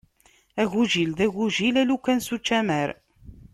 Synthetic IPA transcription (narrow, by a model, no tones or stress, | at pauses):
æʝuʒilðæʝuʒilælukænsut͡ʃːæmæɾ